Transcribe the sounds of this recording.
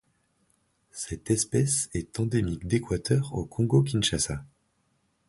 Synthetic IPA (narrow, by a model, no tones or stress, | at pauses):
sɛt̪ɛspɛsɛt̪ɑ̃d̪emikd̪ekwat̪ʰœʁokʰɔ̃ɡok̬ʲinʃasa